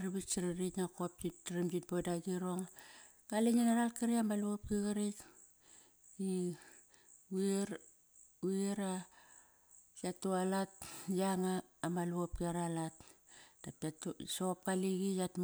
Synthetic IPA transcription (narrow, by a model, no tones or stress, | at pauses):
ɾiβisiɾaɾiknakop̚d͡ʒitːɾimd͡ʒit̚bodaɡiɾo̞ŋ | kaliɲenaɾalkiɾiamaluop̚kiɣaɾik | i | ueɾ | ueɾa | jatualatjaŋaːmaluop̚kiaɾalatd̥apatsop̚kaliɡijatm